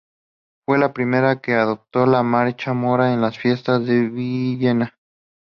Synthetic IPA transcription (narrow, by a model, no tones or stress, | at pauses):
fwelapɾimeɾakeaðop̚t̪olamaɾt͡ʃamoɾaenlasfje̞st̪azðeβiʝena